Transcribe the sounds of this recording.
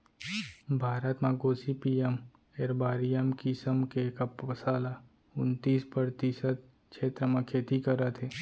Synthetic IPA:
bʱaːɾət̪mãɡoːsipiːem | eɾbaːɾijəmkisəmkekapəsaːla | ʊnt̪iːspɾəɾt̪isət̪̚ | ʃʰeːt̪ɾəmãkʰeːt̪ikəɾat̪ʰeː

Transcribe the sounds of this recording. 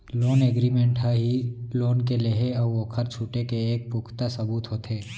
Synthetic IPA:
loːneɡɾiːmẽːɳʈɦaɦiloːnkeleɦeɔʋoːkʰəɾt͡ʃʰuːʈekeeːk̚pʊkʰt̪asɐbuːt̪ɦoːt̪ʰeː

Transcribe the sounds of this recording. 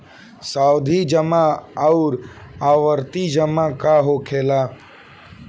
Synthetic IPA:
saːwd̪ʱid͡ʒəmaɐʊɾaːʋəɾt̪id͡ʒəmakaɦokʰeːlaː

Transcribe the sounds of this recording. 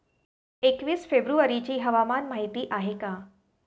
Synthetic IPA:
ekʋiːsfebɾuʋəɾit͡ɕiːɦɐʋamaːnmaːɦit̪iʔaɦekaː

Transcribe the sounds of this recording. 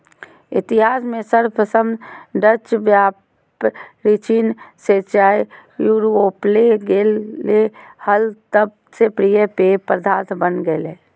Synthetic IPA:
ɪt̪ɪɦaːsmẽsəɾpəsəmɖət͡ʃbjaː | pɾit͡ʃiːnset͡ʃaːjjuɾopleɡelːehəlt̪əb̚ | sepɾijəpepɾəd̪ʱaːt̪ʰbənɡele

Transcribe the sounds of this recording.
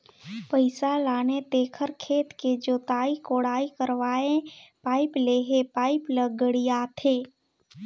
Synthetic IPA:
pəɪsalaːnet̪eːkʰəɾkʰeːt̪ked͡ʒoːt̪aːikoːɽaːikəɾʋaːẽpaːɪpleːɦepaːɪpləɡəɽijat̪ʰeː

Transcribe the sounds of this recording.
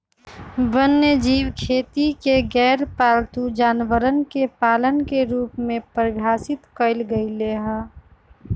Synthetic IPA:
bənːəd͡ʒiːwkʰeːt̪ikeɡɛːɾpaːlt̪ud͡ʒaːnʋəɾənkepaːlənkeɾuːpmẽpəɾbʱjaːsɪt̪kəɪlɡəileɦə̃

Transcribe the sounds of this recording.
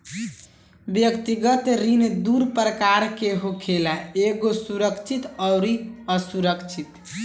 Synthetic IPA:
bjəkt̪iɡət̪ɾind̪uɾpɾəkaɾkeɦokʰelaeɡosuɾəkt͡ʃʰit̪ɔʊɾiəsuɾəkt͡ʃʰit̪

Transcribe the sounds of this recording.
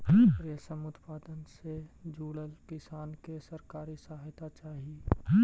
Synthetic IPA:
ɾesəmʊt̪paːd̪ənsed͡ʒuːɽəlkɪsaːnkesəɾkaːɾisɐɦajt̪at͡ʃaːɦie

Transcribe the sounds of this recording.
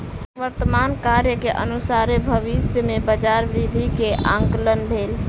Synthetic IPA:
ʋəɾt̪əmankaɾjəkeʔənusaɾebʱəʋisjəmebəd͡ʒaɾbɾid̪ʱikeʔã̰ŋklənbʱel

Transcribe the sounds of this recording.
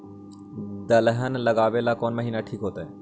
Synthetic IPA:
d̪əlɦənləɡaːʋelaːkoːnməɦiːnaʈʰiːkɦoːt̪aɛː

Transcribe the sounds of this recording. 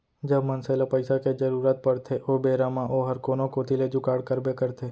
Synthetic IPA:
d͡ʒəbmənselapəɪsaked͡ʒəɾuɾaːt̪̚pəɽt̪ʰeʔobeːɾamãʔoɦəɾkoːnõkot̪ʰiled͡ʒʊkaːɽkəɾbekəɾt̪ʰe

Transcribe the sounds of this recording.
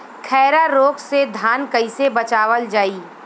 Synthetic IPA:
kʰɛːɾaɾoːksed̪ʱaːnkɐɪsebɐt͡ʃaːʋəld͡ʒaːiː

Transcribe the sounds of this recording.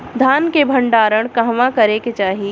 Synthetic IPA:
d̪ʱaːnkebʱə̃ɳɖaːɾəɽ̃kɐɦʋãkɐɾeket͡ʃaːɦi

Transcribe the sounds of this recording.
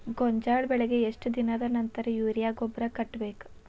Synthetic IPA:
ɡoɲd͡ʒaːɭbɛɭɛɡe̞eʂʈd̪inɐd̪ɐnɐnt̪ɐɾɐjuːɾjaːɡobɾɐkɐʈːbeːku̥

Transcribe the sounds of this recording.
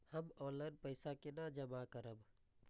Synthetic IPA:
həmɔlənpəɪsakenad͡ʒəmakəɾəb

